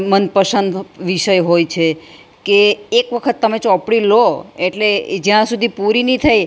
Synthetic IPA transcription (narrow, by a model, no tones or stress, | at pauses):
mənpəʃənd̪ʋiʃəjɦojt͡ʃʰe | keːkʋəkʰət̪ːəmet͡ʃɔpɽiloeʈled͡ʒjãsud̪ʱipuɾinit̪ʰaj